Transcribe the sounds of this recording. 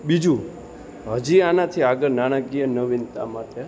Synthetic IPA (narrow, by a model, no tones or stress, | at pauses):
ɓid͡ʒu | ɦəd͡ʒianat̪ʰiaɡəɾnaɽ̃akijənəʋint̪a̰maʈe